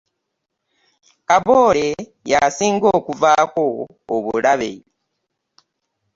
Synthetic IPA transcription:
kaβoːle̞jasiːŋɡoːkuvaːko̞ː | βulaβḛi

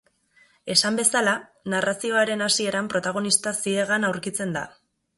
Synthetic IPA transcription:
e̞sambe̞salanarasio̞aɾe̞nasie̞ɾampɾo̞t̪aɣ̞o̞nist̪asie̞ɣanawɾkit͡se̞nd̪a̰

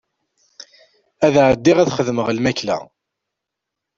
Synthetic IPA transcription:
æðʕəd̪ːiʁæðχəðməʁlmæklæ̰

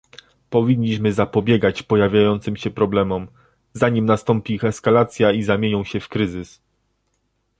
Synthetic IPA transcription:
pɔvʲiɲːiɕmɘzapɔbʲjɛɡat͡ɕpɔjavʲjajɔnt̪sɘmɕɛpɾɔblɛmɔm | zaɲimnast̪ɔmpʲiixɛskalat̪sʲjaizamʲjeɲɔ̃w̃ɕɛfkɾɘzɘs

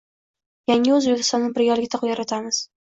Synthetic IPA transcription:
jaŋʲɪɵzbekʲɪ̥st̪ɒnːɪbɪɾjɒlɪɡʲɪt̪ʰaqʊjaɾat̪ʰamɪz̥

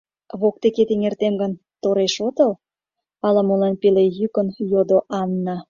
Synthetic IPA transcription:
βok̚t̪eket̪eŋert̪emɡən | t̪oɾeʃot̪əl | ɑlɑmolɑnpelejykənjod̪oʔɑnːɑ

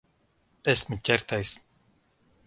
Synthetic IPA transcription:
ɛsmucʲɛɾt̪ʰajs

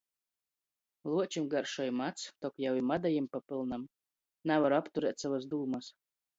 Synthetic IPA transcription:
lˠuɔt͡ʃimɡaɾʃɔjmat̪st̪ɔkjawimad̪ajimpapɨlˠnam | navaɾapt̪uɾɛːt̪ʲsavasd̪uːmas

